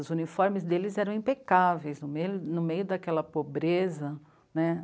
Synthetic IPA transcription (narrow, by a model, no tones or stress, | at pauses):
ʊzunifɔɾmɪzd̪elɪzɛɾɐ̃w̃ĩpekavejznʊmejnʊmejʊd̪ɐkɛlɐpobɾezɐ | nɛ